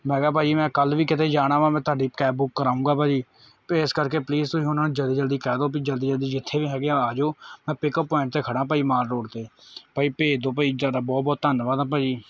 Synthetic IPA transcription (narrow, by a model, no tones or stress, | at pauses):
mɛːɡaːpaːd͡ʒiːmɛ̃ːkəlʋiːkɪt̪eːd͡ʒaːɽ̃aːʋãːmɛ̃ːt̪ʰaːɖiːkɛːbbʊkːəɾaːũːɡaːpaːd͡ʒiː | peɪskəɾkeːpliːzt̪ʊɦiːʊnãːnũːd͡ʒəld̪iːd͡ʒəld̪iːkɛːd̪oːp̬iːd͡ʒəld̪iːd͡ʒəld̪iːd͡ʒɪt̪ʰːeːʋiːɦɛːɡeãaːd͡ʒoːmɛ̃ːpɪkəpːɔːɪɳʈt̪eːkʰəɽãːp̬əːiːmaːɾɾoːɽt̪eːpəiːpeːd̪oːpəiːd͡ʒaːd̪aːbɔːt̪̚bɔːt̪ːənʋaːd̪ãːp̬aːd͡ʒiː